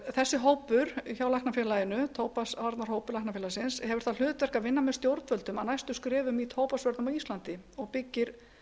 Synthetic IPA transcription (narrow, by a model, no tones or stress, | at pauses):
θɛsːɪɦoːwpʏɾçawlahknafjɛːlajɪnʏt̪ʰoːwpasvaɾt̪naɾhɦoːwpʏɾlak̚nafjɛlasɪnshɛvʏɾ̥θal̥ʏːt̪vɛr̥kavɪnːamɛ̥st̪jowɾt̪vœlt̪ʏmanajst̪ʏskɾɛːvʏmit̪ʰoːwpasvœɾt̪nmawist̪lant̪ɪɔɣpɪcːɪɾ̥